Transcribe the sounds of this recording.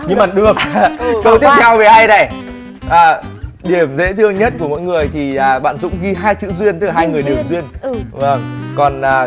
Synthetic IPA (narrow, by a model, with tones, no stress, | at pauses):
ɲɨ˧maː˨˩ɗɨ˨˩ək̚kə˧wt̪i˦˥əp̚t̪ʰɛ˧wve˨˩ha˧jna˨˩ | ʔaː˨˩ɗi˨˧˩əmzḛ˧˥t̪ʰɨ˧əŋɲə˦˥t̚ku˧˩əmo̰˧˥jŋɨ˨˩əjt̪ʰi˨˩ʔaː˨˩ɓa̰ː˧˨nzʊ̰˧˥ŋ͡mɣi˧ɦaː˧jt͡ɕɨ̰˧˥zwi˧ənt̪ɨ˦˥la˨˩ɦaː˧jŋɨ˨˩əjɗi˨˩əwzwi˧ənvə˧˩ŋkɔ˨˩nʔaː˨˩